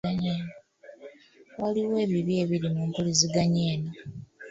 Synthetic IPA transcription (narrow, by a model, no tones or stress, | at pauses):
aɲeːno | waliwe̞ːβiβje̞ːβiɾimuːmpuliziɡaɲe̞ːno